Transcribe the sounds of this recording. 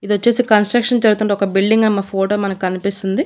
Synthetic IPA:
id̪iʋɐt͡ʃːe̞ːsikɐnsʈɾɐkʂɐnd͡ʒɐɾut̪uɳʈeɔkɐbilɖiŋɡɐnimɐpʰoːʈoːmɐnɐkːɐnipist̪und̪i

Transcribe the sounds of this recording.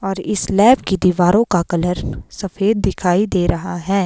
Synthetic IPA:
ɔːɾɪ̰slɛːbkid̪iːʋaːɾõkakɐləɾsɐfeːd̪̚ːɪkʰaːid̪eːɾɐɦaɦɛː

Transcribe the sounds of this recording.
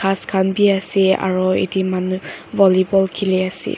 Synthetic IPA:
askʰanbiasia̰ɹɔḛdimanuvɔlibɔlkʰiliasḭ

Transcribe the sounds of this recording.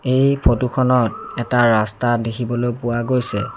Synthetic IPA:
ejpʰotukʰɔnɔtɛtaɹastadekʰibɔlojpʊwaɡojsɛ

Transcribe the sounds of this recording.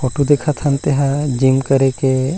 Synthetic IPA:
oʈud̪ekʰat̪ʰãnt̪eɦad͡ʒimkɐɾeke

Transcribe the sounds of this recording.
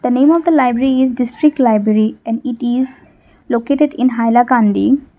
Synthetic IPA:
d̪̥ənẽmɔfd̪əlajbɾeɾiːzdisʈɾik̚ʈlajbɾeɾiɛ̃nɖiʈiz | lokeʈeɖĩnɦajlakãndi

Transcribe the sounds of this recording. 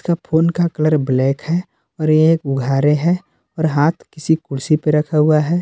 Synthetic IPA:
ɪskapʰoːnkakələɾbleːkʰɦɛ | ɔːɾjeekʊɡʱaːɾeɦɛ | ɔːɾɦaːt̪ʰkɪsikʊɽsipeɾəkʰəɦuaɦɛː

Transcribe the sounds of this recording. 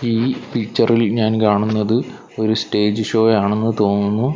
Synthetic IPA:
iːfit͡ɕːɐrilɲaːnkaːɳunːɐðɨ | o̞ɾusʈe̞ːd͡ʑɨʂo̞ːaːɳenːɨt̪o̞ːnːunːu

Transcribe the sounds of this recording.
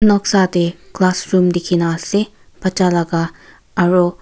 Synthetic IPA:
nɔksad̪eklasɾumd̪ikʰinasẽ | pɐt͡ʃalaɡa | aɹo

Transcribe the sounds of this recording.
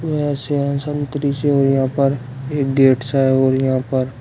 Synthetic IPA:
ʋɛseãsə̃nt̪ɾiːt͡ʃeoːɾjɐɦãːpəɾ | eːk̚ɡeːʈsaoːɾjɦãːpəɾ

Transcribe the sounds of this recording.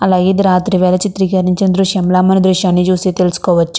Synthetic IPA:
ɐlaːɡeːd̪iɾaːt̪ɾiʋɛːlɐt͡ʃit̪ɾikɐɾiɲt͡ʃɐnɐd̪ɾuʃjɐmlaːmɐnɐd̪ɾuʃjaːnːit͡ʃuːsit̪elusu̥kɔːʋɐt͡ʃːu̥

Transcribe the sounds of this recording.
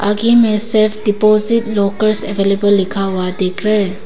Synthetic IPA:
a̰ɡimesɛpʰdipɔzit̚lɔkəɾsebʱelebəlːikʰawadekʰɾɛ

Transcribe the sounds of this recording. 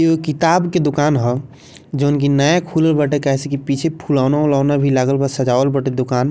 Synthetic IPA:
eokit̪aːbked̪ʊkaːnɦɛ | d͡ʒonkinəjakʰuləlbəʈekɛsekipiːt͡ʃʰepʰulaːnaolaːʊnabʱilaɡəlbad̪səd͡ʒaːwəlbəʈed̪ʊkaːn

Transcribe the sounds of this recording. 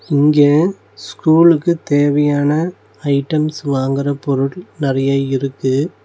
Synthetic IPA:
ɪŋɡeː | skuːlɯkːɯt̪eːʋɐjaːnɐ | ɐɪʈːɐmsʋaːŋɡɪrɐpɔɾɯʈnɐrɐjaːɪɾɯkːɯ

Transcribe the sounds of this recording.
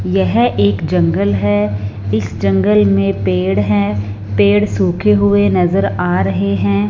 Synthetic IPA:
jɛɦʔeːkd͡ʒɐ̃ŋɡəlɦɛːɪsd͡ʒɐ̃ŋɡəlmẽpeːɽɦɛ̃ | peːɽsuːkʰeɦʊenɐzəɾaːɾɐɦeɦɛ̃ː

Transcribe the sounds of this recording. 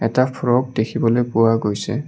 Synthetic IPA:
ɛtapʰɹɔk̚dekʰibɔlojpʊwaɡojsɛ̰

